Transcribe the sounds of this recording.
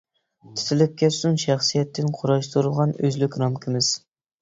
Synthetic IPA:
t̪ʰɪ̥t̪ʰɪlɪp̚kʲʰɛt̪sunʃæχsijɛt̪ʰːɪnqʰʊɾɑʃt̪ʰuɾɨlˠʁɑnøzlykʲɾɑmkʲʰɪmɪz̥

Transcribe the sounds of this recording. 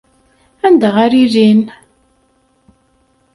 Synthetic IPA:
ænd̪æʁaɾiɾin

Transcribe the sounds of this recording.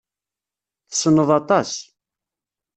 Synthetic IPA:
θə̥sənːəðˤɑt̪ˤɑs

